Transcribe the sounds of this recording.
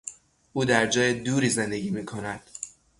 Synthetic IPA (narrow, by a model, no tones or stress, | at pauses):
ʔuːd̪æɾd͡ʒɒːjed̪uːɾiːze̞nd̪e̞ɟiːmiːkʰo̞næd̪̥